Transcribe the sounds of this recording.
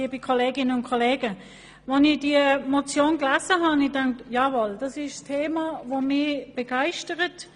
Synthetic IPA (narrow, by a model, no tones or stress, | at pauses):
ibikʰoleːɡɪnənʊnkʰoleːɡə | vɔnid̥iəmot͡sjoːnɡlaːzəɦɑnidaŋktjaːvold̥ɑsɪʃstʰeːmavomɪb̥əɡ̥aɪʃtəʁət